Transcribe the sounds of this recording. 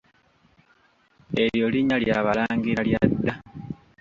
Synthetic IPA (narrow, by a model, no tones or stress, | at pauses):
e̞jo̞liɲaljaβalaːŋɡiɾaljadːa